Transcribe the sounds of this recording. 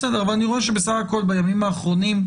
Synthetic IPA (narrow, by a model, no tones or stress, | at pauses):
sede̞ʁavalaniʁo̞eʃ̬ebesaχako̞lbajamimaːχʁo̞nim